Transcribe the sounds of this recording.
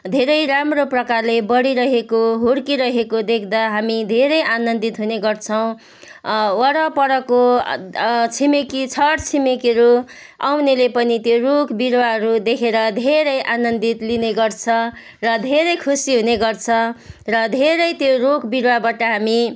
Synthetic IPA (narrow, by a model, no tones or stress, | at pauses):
d̪ʱeɾʌjɾamroprʌkarlebʌɽiɾʌɦekoɦoɽkiɾʌɦekod̪ekʰd̪aɦamid̪ʱeɾʌjʔanʌnd̪it̪ɦuneɡʌrt͡sʰʌw̃ | wʌɽʌpʌɽʌko | t͡sʰimekit͡sʰʌɾt͡sʰimekiɾu | a̰wnelepʌnit̪jorokbiɾwaɦʌɾud̪ekʰeɾʌd̪ʱeɾʌjʔanʌnd̪it̪lineɡʌrt͡sʰʌ̃ | rʌd̪ʱeɾʌjkʰusiɦuneɡʌrt͡sʰʌ̃rʌd̪ʱeɾʌjt̪jorokbiɾwabaʈʌɦami